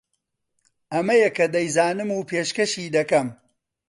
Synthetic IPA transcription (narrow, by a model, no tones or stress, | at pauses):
ʔɐmɐjɐkɐd̪ɐjzaːnɨmuːpʰeːʃkɐʃiːd̪ɐkɐm